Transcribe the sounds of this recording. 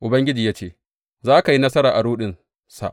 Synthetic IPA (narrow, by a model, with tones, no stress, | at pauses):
ʔʊ˨bɐ˦ŋɡʲɪ˦d͡ʒiː˨jaː˦t͡ʃeː˦˨ | zaː˦ka˨ji˦nɐ˦sɐ˦ɾaː˨ʔa˨ɽuː˦ɗɪ˨n | sa̰˨ʔ